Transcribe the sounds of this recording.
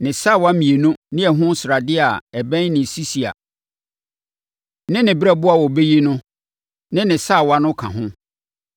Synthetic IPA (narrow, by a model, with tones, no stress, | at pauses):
nɪ̃˨sa˦˨wa˦mĩ˨e˨nũ˦nɪ̃˦ɛ˨ɦʊ̃˦sɾa˨dɪ˦a˨ɛ˨bæ̃˦nɪ̃˨si˦si˨a̰˨ | nɪ̃˦nɪ̃˨bɛ˦bʊ˦a˨wɔ˨be˦ji˦nʊ̃˦ | nɪ̃˦nɪ̃˨sa˦˨wa˦nʊ̃˦kʰã̰˨ɦʊ̃˦